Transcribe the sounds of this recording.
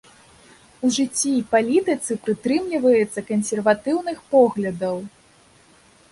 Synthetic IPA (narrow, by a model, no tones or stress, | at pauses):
uʐɨt͡sʲːipalʲit̪ɨt̪sɨpɾɨt̪ɾɨmlʲivɐjɛt̪sːɐkɐnsʲɛrvat̪ɨwnɨxpɔɣlʲɐd̪ɐw